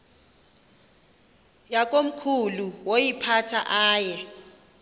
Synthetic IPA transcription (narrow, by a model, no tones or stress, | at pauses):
jakʼom̩kʰuluwojipʰatʰa̰ʔaːjɛ